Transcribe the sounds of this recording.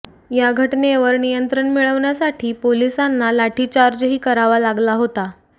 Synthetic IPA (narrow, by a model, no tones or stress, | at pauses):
jaɡʱəʈneʋəɾnijənt̪ɾəɳmiɭəʋɳjasaʈʰiːpolisanːalaʈʰiːt͡ɕaɾd͡ʑɦiːkəɾaʋalaɡlaɦot̪a